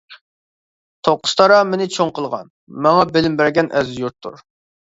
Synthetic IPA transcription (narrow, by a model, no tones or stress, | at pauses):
t̪ʰoqʰʊ̥st̪ʰɑɾɑmenɪt͡ʃʰoŋqəlˠʁɑ̰n | mɑŋɑbɪlɪmbæɾɡʲɛnʔɛzjuɾt̪ʰːṵɾ